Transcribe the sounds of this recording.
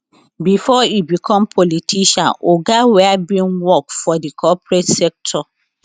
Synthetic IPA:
bifɔibikʰɔ̃mpʰɔlitʰiʃãnoɡawɛabĩnwɔkfɔdikʰɔpɾɛtsɛk̚tʰɔ

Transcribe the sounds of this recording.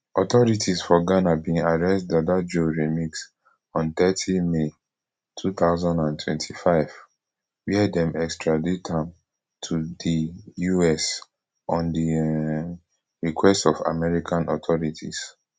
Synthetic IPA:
ɔtɔɹitʰisfɔɡanabĩŋadɹɛstdadad͡ʒoɹimiks | ɔ̃nt̪ɛtʰime | tʰut̪aʊzãndãntʰwɛ̰̃ntʰifaɪv | wiɛdɛ̃mɛkstɹaditʰãm | tʰudijuɛs | ɔ̃ndi | ɹikʰwɛstɔva̰mɛɹikʰãnʔɔt̪ʰɔɹitʰḭs

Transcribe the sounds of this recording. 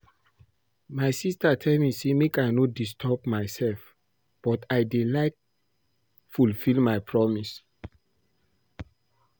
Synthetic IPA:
majsistatʰɛlmisemikanɔt̚distʰɔpmajsɛlf | b̥ɔtajdelaɪk̚ | fulfilmajpʰɹɔmis

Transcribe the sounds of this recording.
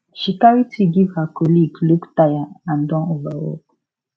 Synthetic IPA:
ʃikaɹitiɡivakɔliɡlubtajaãndɔ̃novawo̰k

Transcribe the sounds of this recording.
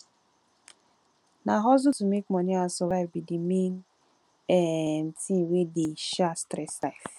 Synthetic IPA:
naɦɔzʊtumek̚mɔniãnsɔvaɪvbidimen | ɛn̩tĩwedeʃastɾɛsaɪf

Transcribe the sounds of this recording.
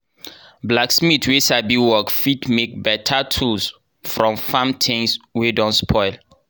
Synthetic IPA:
blaksmitʰwesabiwɔkfitmek̚bɛtʰatʰuls | fɹɔ̃mfãmtʰẽnswedɔ̃nspʰɔɪl

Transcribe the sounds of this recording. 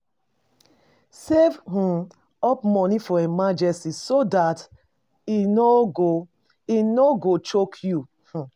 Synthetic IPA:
sevɦũ | ɔpmɔnifɔɛmad͡ʒɛstisodat | inoɡo | inoɡot͡ʃokʰju | hũ

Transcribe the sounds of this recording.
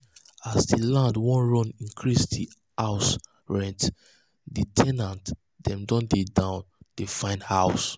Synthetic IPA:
asdilãndwɔ̃nɹɔ̃nĩŋkʰɹisdi | aʊs | ɹɛ̃nt | ditʰɛnãnt | d̥ɛ̃mdɔ̃ndedãʊ̃nd̥efãɪ̃ndhaʊs

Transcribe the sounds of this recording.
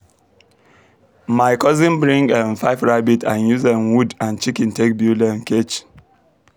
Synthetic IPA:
maɪkɔzĩnbɹĩŋɡɛ̃nfaɪfɹabitʰãnjuzɛ̃mwudãnt͡ʃikĩntek̚bjulɛ̃nket͡ʃ

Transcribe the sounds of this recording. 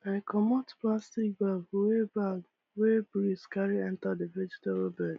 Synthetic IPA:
aɪkʰɔmɔtplastik̚baɡwebaɡ | webɾiskaɹiɛ̃ntadevɛd͡ʒitaɾobɛd

